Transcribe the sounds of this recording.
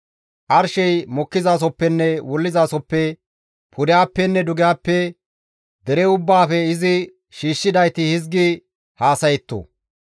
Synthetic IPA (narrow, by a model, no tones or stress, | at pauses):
ʔɐɾʃɛjmɔkːɪzaːs̬ɔpːɛnːɛwɔlːɪzaːsɔpːɛ | pʰʊd̪ɪjaːpːɛnːɛd̪ʊɡɪjaːpːɛ | d̪ɛɾɛʊbːaːfɛɪzɪ | ʃiːʃːɪd̪ɐjt̪ɪhɪzɡɪ | haːsɐjɛt̪ːo̰